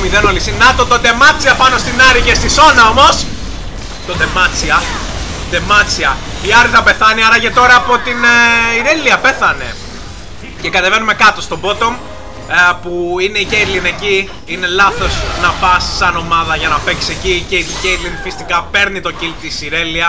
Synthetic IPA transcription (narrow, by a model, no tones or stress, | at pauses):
miðe̞no̞lisinɐt̪o̞t̪od̪e̞mɐt͡siɐpɐno̞st̪inɐɾiʝest̪iso̞nɐo̞mo̞s | t̪o̞d̪e̞mɐt͡siɐ | d̪e̞mɐt͡siɐiɐɾðɐpe̞θɐniɐɾɐce̞t̪o̞ɾɐːpo̞t̪iniɾeliɐpe̞θɐne̞̰ | ce̞kɐt̪eve̞nume̞kɐt̪o̞st̪o̞bo̞t̪o̞m | puine̞icejd̪line̞ci | ine̞lɐθo̞snɐpɐsːɐno̞mɐðɐʝɐnɐpe̞ksi̥se̞cicelicejd̪linfist̪ikɐpe̞ɾnit̪o̞cilt̪isiɾe̞liɐ